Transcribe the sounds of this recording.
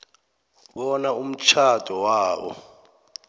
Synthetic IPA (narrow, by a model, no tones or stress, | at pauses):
ɓɔnaum̩t͡ʃʰad̥ʰʱʼɔwaːɓɔ̰